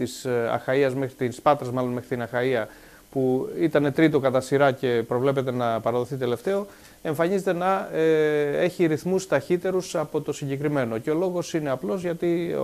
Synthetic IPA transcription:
t̪isɐ̰xɐiɐzme̞xɾit̪inspɐt̪ɾɐzmɐlo̞nme̞xɾit̪inɐxɐiɐ | puit̪ɐne̞t̪ɾit̪o̞kɐt̪ɐsiɾɐce̞pɾo̞vle̞p̬e̞t̪e̞nɐpɐɾɐðo̞θit̪e̞le̞ft̪e̞o̞ | e̞ɱfɐɲizet̪e̞nɐ | e̞çiɾiθmust̪ɐçit̪e̞ɾusɐpo̞t̪o̞siɲɟe̞kɾime̞no̞ceo̞lo̞ɣo̞sine̞ɐplo̞zʝɐt̪ḭ

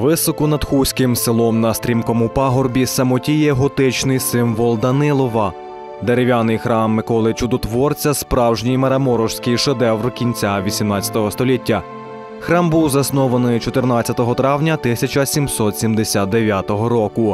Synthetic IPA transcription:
ʋɪsɔkʊnɐd̪xusʲkɪmselˠɔmnɐst̪ʲɾʲimkɔmupɑɦɔrbʲisɐmɔtʲijɛɦɔt̪ɪt͡ʃnɪjsɪmʋɔlˠd̪ɐnɪlˠɔʋɐ | d̪eɾeʋʲjanɪjxɾɑmːɪkɔlˠɪt͡ʃʊd̪ɔt̪ʋɔrt͡sʲɐspɾɑwʒnʲijmɐɾɐmɔɾɔʃsʲkɪjʃed̪ɛwrkʲinʲt͡sʲaʋʲisʲimnɑt͡sʲɐ̥t̪ɔɦɔst̪ɔlʲitʲːɐ | xɾɑmbuwzɐsnɔʋɐnɪjt͡ʃɔt̪ɪrnɑt͡sʲːɐt̪ɔɦɔt̪ɾɑwnʲɐt̪ɪsʲɐt͡ʃɐsʲimsɔt̪sʲimd̪esʲat̪̚d̪eʋʲjat̪ɔɦɔɾɔkʊ

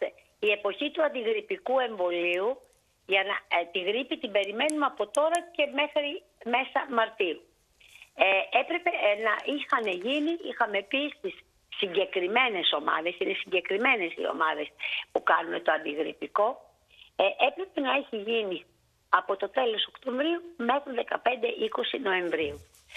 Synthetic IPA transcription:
e | ie̞po̞çit̪uɐnd̪iɣɾipikue̞ɱvo̞liu | ʝɐnɐt̪iɣɾipit̪imbe̞ɾime̞nunɐpo̞t̪o̞ɾɐce̞me̞xɾi | me̞sɐmɐɾt̪iu | epɾe̞pe̞nɐʔixɐne̞ʝiniʔḭxɐmeːpist̪isː | iɲɟe̞kɾime̞ne̞so̞mɐ̰ðe̞sinesiɲɟe̞kɾime̞ne̞sḭo̞̰mɐðe̞spukɐnune̞t̪o̞ɐnd̪iɣɾḭpiko̞ | ʔepɾe̞pe̞nɐe̞çiʝini | ɐpo̞t̪o̞t̪e̞lo̞so̞kt̪õ̞ɱvɾiume̞xɾiðe̞kɐpe̞nd̪e̞ʔiko̞sino̞e̞ɱvɾiu

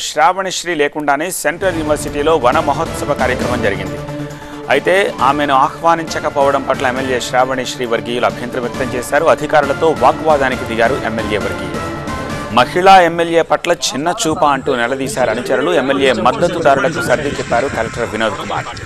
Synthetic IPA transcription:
ʃɾaːʋɐɳiʃɾiːleːkuɳɖaːneːseɳʈɾɐljuniʋɐɾsiʈiːlo̞ːʋɐnɐmɐɦɐt̪sɐbɐkaːɾjɐkɾɐmɐmd͡ʒɐɾiɡind̪i | ɐjit̪e̞ːaːmenuaːxʋaːniɲt͡ʃɐkɐpɔːʋɐɽɐmpɐʈlɐemːelje̞ːʃɾaːʋɐɳiʂɾiːʋɐɾɡiːjuluɐbʱjɐnt̪ɾɐmʋjɐk̚t̪ɐmt͡ʃeːsaːɾuɐd̪ʱikaːɾulɐt̪o̞ːʋaːkʋaːd̪aːnikid̪iɡaːɾuʔemːelje̞ːʋɐɾɡḭjulu | mɐhiɭaːe̞mːelje̞ːpɐʈlɐt͡ʃʰinːɐt͡ʃuːpaːɐɳʈuːnɛlɐd̪iːsaːɾɐnut͡ʃɐɾuluemːelje̞ːmɐd̪ːɐt̪ud̪aːɾulɐkusɐɾd̪ʱit͡ʃɛpːaːɾukɐlɐk̚ʈɐɾʋinoːd̪ʱikuba̰ːɾ

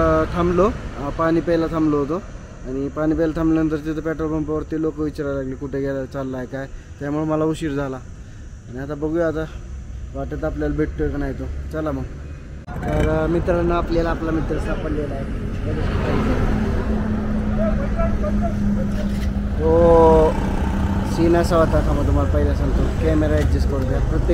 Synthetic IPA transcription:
t̪ʰamlopaɽ̃iːpəjlat̪ʰamloɦot̪o | aɽ̃ipaɽ̃iːpəjlat̪ʰamlanənt̪̬əɾt̪it̪ʰəpɛʈɾolbəmpaʋəɾt̪iːlokəʋit͡ɕaɾalaɡliːkuʈʰeɡelat͡salːaɦek̪aj | t̪jamuɭunməlauɕiːɾd͡zʱalaː | ɽ̃iat̪abəɡjat̪aʋaʈət̪apljalbʱeʈʈːokanajt̪ot͡salam̤əɽ | t̪əɾmit̪ɾalnaaplalaːplamit̪ɾəsapəljelaɦekəd̪espaid̪e | kaaa | o | sinasaʋat̪akʰamət̪ːumalapəjd̪asãŋɡt̪okɛmeɾaek̚d͡ʑeskəɾt̪japɾət̪ːe

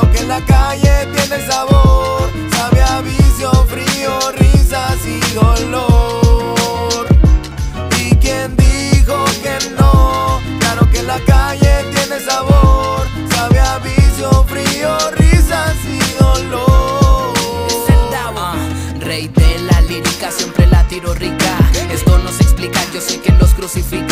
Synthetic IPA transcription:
okelakaʝe̞t̪jene̞saβoɾ | saβeaβisjofɾiorisasiðo̞lo | ɾ | ikje̞nd̪ixo̞ke̞noklaɾo̞ke̞lakaʝe̞t̪je̞ne̞saβoɾ | saβeaβisofɾiorisasioloɾseld̪aβa | rejdelaliɾikasjempɾelat̪iɾo̞rikae̞st̪o̞no̞se̞ksplikaʝosejkelo̞skɾusifik

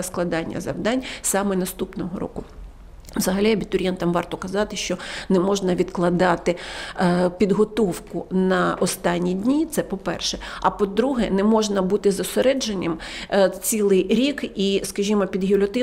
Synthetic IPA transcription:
sklˠɐd̪ɑnʲːɐ̰zɐ̰wd̪ɑnʲsɑmɛnɐst̪upnɔɦɔɾɔ̰kʊ | ʋzɐɦɐlʲiɐbʲit̪ʊɾʲjɛnt̪ɐmʋɑrt̪ɔkɐzɑt̪ɪʃt͡ʃɔnɛmɔʒnɐʋʲid̪klˠɐd̪ɑt̪ɪ | pʲid̪ɦɔt̪ɔwkʊnɐɔst̪ɑnʲːidʲnʲit̪sɛpɔpɛrʃɛɐpɔd̪ɾuɦɛnɛmɔʒnɐbut̪ɪzɐseɾɛd͡ʒenʲːɐmt͡sʲilˠɪjɾʲikiskɐʒʲimɔpʲid̪ɦʲilʲɔt̪ɪ

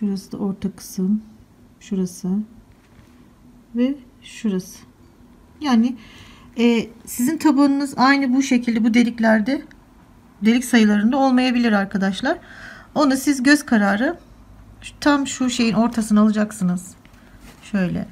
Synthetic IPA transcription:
ʃuɾasɯd̪a̰ʔoɾt̪ʰakʰɯ̥sɯm | ʃuɾasɯ | vɛ | ʃuɾasɯ̥ | jaːnɪ | ɛːsizint̪ʰabanɯnɯzajnɯbuʃe̞cʰilʲd̪ɛbud̪e̞lʲiclʲæɾd̪ɛ | d̪e̞lʲicʲsajɯlˠaɾɯnd̪ao̞lˠmajabilʲiɾaɾkʰad̪aʃlˠaɾo̞nusizɟø̞zkʰaɾaːɾɯ | t̪ʰamʃuʃe̞jino̞ɾt̪ʰasɯnalˠɯd͡ʒaksɯnɯz̥ | ʃø̞jlʲɛ̰

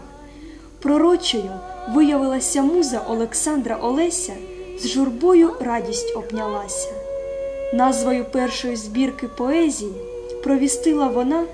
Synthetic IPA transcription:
pɾɔɾɔt͡ʃɔjʊʋɪjɐʋɪlˠɐsʲɐmuzɐʔɔlˠeksɑnd̪ɾɐʔɔlˠɛsʲɐzʒʊrbɔjʊɾɑdʲisʲtʲɔbnʲɐlˠɑsʲɐ | nɑzʋɔjʊpɛrʃɔjʊzbʲirkɪpɔɛzʲiji | pɾɔʋʲist̪ɪlˠɐʋɔnɑ

